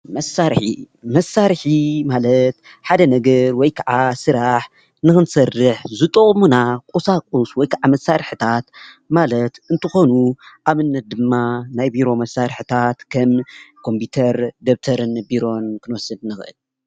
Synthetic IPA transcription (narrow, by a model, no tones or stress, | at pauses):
mɐsːaɾħḭ | mɐsːaɾħimalɐt̪ | ħad̪ɐnɐɡɐɾwɔjkʰaʕasɨɾaħ | nɨxɨnsɐrːɨħzɨt̪ʼoχʼmunakʼusakʼuswɔjkʰaʕamɐsːaɾħɨt̪ʰat̪ | malɐt̪ɨnt̪ʰɨxo̞nuʔaβɨnːɐt̪̚d̪ɨmːanajbiɾo̞mɐsːaɾħɨt̪ʰat̪kʰɐmkʰo̞mpʰit̪ʰɐɾd̪ɐβt̪ʰɐɾɨnbiɾo̞nkʰɨnɨwɔsɨd̪nɨxʔɨ̰l